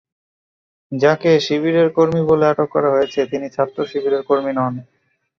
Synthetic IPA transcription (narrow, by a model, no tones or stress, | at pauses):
d͡ʑakeʃiβiɾeɾkoɾmiboleaʈokːɔɾaɦojet͡ɕʰet̪init͡ɕʰat̪ːɾoʃibʱiɾeɾkoɾminɔn